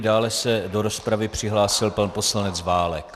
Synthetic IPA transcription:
daːlɛsɛdo̞ɾo̞spɾavɪpr̝̥ɪɦlaːsɪlpanpo̞slanɛt͡svaːlɛk

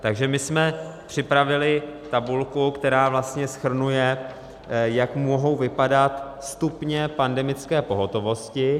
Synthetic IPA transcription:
t̪aɡʒɛmɪsmɛpr̝̥ɪpɾavɪlɪt̪abulkukt̪ɛɾaːvlast̪ɲɛsxr̩nujɛ | jakmoɦo̞wvɪpadat̪ | st̪upɲɛpandɛmɪt͡skɛːpo̞ɦo̞t̪o̞vo̞scɪ

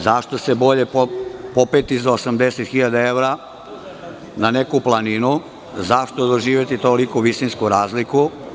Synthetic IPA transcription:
zaʃt̪ose̞bo̞ʎe̞ppopet̪izaosamd̪eset̪xiʎad̪ae̞ʋɾa | nanekuplˠaninu | zaʃt̪od̪oʒiːʋjet̪it̪olikuʋisinskuɾaːzliku

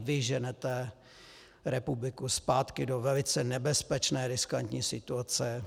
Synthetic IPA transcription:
vɪʒɛnɛt̪ɛ | ɾɛpublɪkuspaːt̪kɪdovɛlɪt͡sɛnɛbɛspɛt͡ʃnɛːɾɪska̰nt̪ɲiːsɪt̪uat͡sɛ

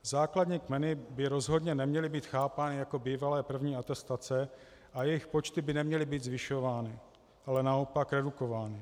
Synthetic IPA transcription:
zaːkladɲiːkmɛnɪbɪɾo̞zɦo̞dɲɛnɛmɲɛlɪbiːt̪xaːpaːnɪjako̞biːvalɛːpr̩vɲiːat̪ɛst̪at͡sɛ | ʔajɛjɪxpo̞t͡ʃt̪ɪbɪnɛmɲɛlɪbiːtd̪zvɪʃo̞vaːnɪ | ʔalɛnaopakɾɛduko̞vaːnɪ

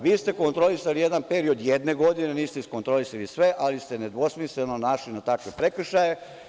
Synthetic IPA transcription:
ʋiːst̪e̞ko̞nt̪ɾo̞lisalije̞d̪anpe̞ɾio̞d̪jed̪ne̞ɡo̞d̪ineniːst̪eisko̞nt̪ɾo̞lisalisʋe̞ʔalist̪e̞ned̪ʋo̞smislenonaʃlinat̪akʋe̞pɾe̞kr̩ʃaje̞

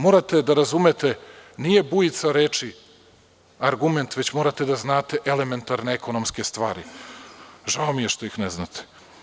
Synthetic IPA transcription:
mo̞ːɾat̪e̞d̪aɾazumet̪e̞nije̞bujit̪saɾeːt͡ʃi | aɾɡume̞nt̪ʋe̞t͡ɕmo̞ːɾat̪e̞d̪aznaːt̪e̞ʔele̞me̞nt̪aɾneeko̞no̞mske̞st̪ʋaːɾḭ | ʒaomije̞ʃt̪o̞jixneznat̪ʰe̥

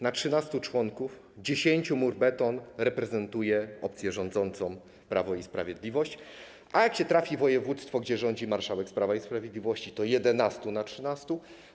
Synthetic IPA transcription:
natʂɘnast̪ut͡ʂwɔŋkuf | d͡ʑeɕeɲt͡ɕumuɾbɛt̪ɔnɾɛpɾɛzɛnt̪ujɛʔɔp̚t̪sʲjɛʐɔnd̪zɔnt̪sɔ̃w̃ | pɾavɔispɾavʲjed̪lʲivɔɕt͡ɕ | ʔajakɕɛt̪ɾafʲivɔjɛvut̪st̪fɔɡd͡ʑɛʐɔɲd͡ʑimaɾʂawɛkspɾavaispɾavʲjed̪lʲivɔɕt͡ɕit̪ɔjɛd̪ɛnast̪unatʂɘnast̪u

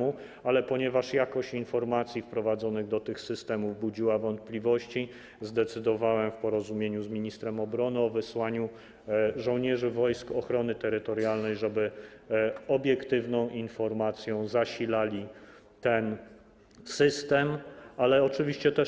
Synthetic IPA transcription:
u | alɛpɔɲɛvaʂjakɔɕt͡ɕinfɔɾmat̪sʲjifpɾɔvad̪zɔnɘɣd̪ɔt̪ɘxsɘst̪ɛmuvbud͡ʑiwavɔnt̪̚plʲivɔɕt͡ɕi | zd̪ɛt̪sɘd̪ɔvawɛmfpɔɾɔzumʲjeɲuzmʲiɲist̪ɾɛmɔbɾɔnɘɔvɘswaɲu | ʐɔ̃w̃ɲɛʐɘvɔjskɔxɾɔnɘt̪ɛɾɘt̪ɔɾjalnɛjʐɛbɘ | ɔbʲjɛkt̪ɘvnɔ̃w̃ʔinfɔɾmat̪sʲjɔ̃w̃zaɕilalʲi | t̪ɛn | sɘst̪ɛmalɛɔt͡ʂɘvʲiɕt͡ɕɛt̪ɛ

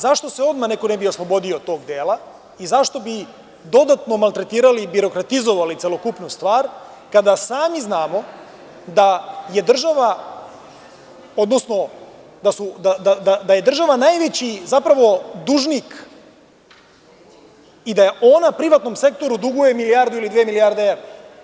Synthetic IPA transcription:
zaʃt̪o̞se̞o̞d̪manekonebio̞slˠo̞bo̞d̪io̞t̪o̞ːɡd̪eːla | izaʃt̪o̞bi | d̪o̞d̪at̪no̞malˠt̪ɾe̞t̪iːɾalibiɾo̞kɾat̪izo̞ʋalit̪selo̞kupnust̪ʋaːɾ | kad̪asaːmiznaːmo̞ | d̪aje̞d̪r̩ʒaʋa | o̞d̪no̞sno̞ | d̪asud̪ad̪ad̪ad̪aje̞d̪r̩ʒaʋanaːjʋe̞t͡ɕizapɾaʋo̞d̪uʒnik | id̪ajeʔo̞napɾiʋat̪no̞mse̞k̚t̪o̞ɾud̪uɡuje̞milijaːɾd̪uilid̪ʋeːmilijaɾd̪eeʋɾa

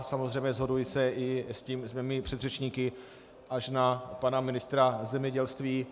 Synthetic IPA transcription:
samozrɛjmɲɛzɦo̞dujɪsɛɪsciːmzmɛːmɪpr̝̥ɛd̪rɛt͡ʃɲiːkɪ | ʔaʃnapanamɪnɪst̪ɾazɛmɲɛɟɛlst̪viː

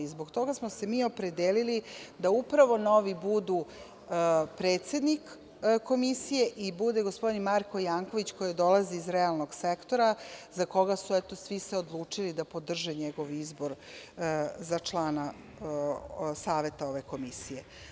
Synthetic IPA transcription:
izbo̞ɡt̪o̞ɡasmose̞miːo̞pɾe̞d̪eːlilid̪aupɾaʋo̞no̞ʋibud̪u | pɾeːt̪se̞d̪nik | ko̞misije̞ʔibud̪e̞ɡospo̞d̪inmaɾko̞jaːŋko̞ʋit͡ɕko̞jed̪o̞laziːzɾealˠno̞ɡsekt̪o̞ɾazako̞ɡasuɛt̪o̞sʋiseo̞d̪lˠuːt͡ʂilid̪apo̞d̪r̩ʒeɲeɡo̞ʋizbo̞ɾ | zat͡ʃlˠaːna | saːʋe̞t̪ao̞ʋe̞ko̞misije̞

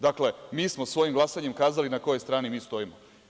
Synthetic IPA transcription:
d̪akle̞miːsmosʋo̞jimɡlˠasaɲemkaːzalinako̞jo̞jst̪ɾaːnimiːst̪o̞imo

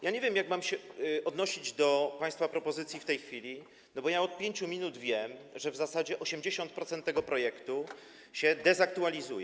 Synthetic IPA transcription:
jaɲevʲjɛmjaɡmamɕɛɔd̪nɔɕid͡ʑd̪ɔpaj̃st̪fapɾɔpɔzɘt̪sʲjift̪ɛjxfʲilʲi | nɔbɔjaɔt̪̚pʲjeɲt͡ɕumʲinud̪vʲjɛmʐɛvzasad͡ʑɛʔɔɕɛmd͡ʑeɕɔnt̪pɾɔt̪sɛnt̪ːɛɡɔpɾɔjɛkt̪u | ɕɛd̪ɛzak̚t̪ualʲizujɛ

